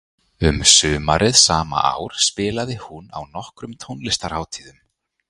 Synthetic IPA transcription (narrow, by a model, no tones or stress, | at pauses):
ʏmsʏːmaɾʔɪðsaːma̰ʔa̰ːwɾ̥spɪːlaðɪhuna̰wnɔhkɾʏmt̪ʰownlɪst̪aɾ̥haːwt̪ʰiːðʏm